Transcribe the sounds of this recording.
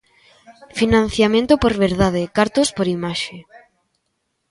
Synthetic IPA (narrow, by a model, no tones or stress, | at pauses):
finãn̟θjamẽnt̪opoɾβeɾðaðekaɾt̪ospoɾimaʃe